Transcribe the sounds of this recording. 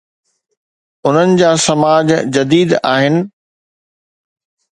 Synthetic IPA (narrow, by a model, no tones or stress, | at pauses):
ʊn̤ənɪ̆d͡ʑaːsɐmaːd͡ʑd͡ʑɐd̪iːd̪aːɦɪnɪ̆